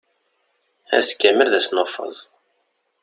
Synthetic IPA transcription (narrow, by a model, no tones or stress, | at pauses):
æ̰skːæməlðæsnofɑ̰zˤ